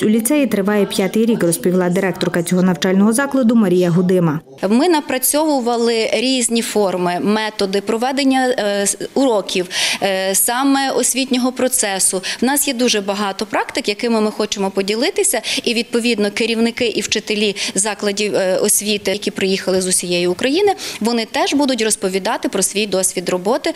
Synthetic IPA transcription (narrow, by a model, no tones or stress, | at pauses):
ulʲit̪sɛjit̪ɾɪʋɑjɛpʲjat̪ɪjɾʲikrɔspʲilˠɑd̪ɪɾɛk̚t̪ɔrkɐt͡sʲɔɦɔnɐwt͡ʃɑlʲnɔɦɔzɑklˠɐd̪ʊmɐɾʲijɐɦʊd̪ɪmɐ | mɪnɐpɾɐt͡sʲɔʋʊʋɐlˠɪɾʲizʲnʲifɔrmɪmɛt̪ɔd̪ɪpɾɔʋɛd̪enʲːɐ | ʊɾɔkʲiwsɑmɛɔsʲʋʲitʲnʲɔɦɔpɾɔt̪sɛsʊwnɑsjɛd̪uʒɛbɐɦɑt̪ɔpɾɑkt̪ɪkjɐkɪmɪmɪxɔt͡ʃemɔpɔdʲilˠɪt̪ɪsʲɐiʋʲid̪̚pɔʋʲid̪nɔkɪɾʲiwnɪkɪʔiwt͡ʃɪt̪elʲizɑklˠɐdʲiɔsʲʋʲit̪ɪjɐkʲipɾɪjixɐlˠɪzʊsʲijɛjʊːkɾɐjinɪʋɔnɪt̪ɛʒbud̪ʊt̬ʲrɔspɔʋʲid̪ɑt̪ɪpɾɔsʋʲijd̪ɔsʲʋʲid̪rɔbɔt̪ɪ